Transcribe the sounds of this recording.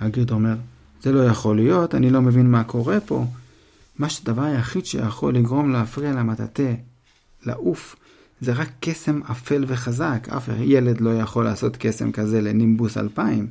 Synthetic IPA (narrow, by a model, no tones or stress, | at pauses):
haɡiʁd̪ome̞ʁ | ze̞lo̞jaχo̞lijo̞tanilo̞me̞vinmako̞ʁe̞po̞̰ | maʃedavaʁjaχid̪ʃḛjaχo̞lːiɡʁo̞mleafʁialamat̪a̰t̪e̞ | la̰ʔuf | ze̞ʁakːe̞se̞mafe̞lve̞χazaka̰fḛχjele̞d̪lo̞jaχo̞laːso̞t̪ke̞se̞̰mkaze̞lenimbusa̰lpaim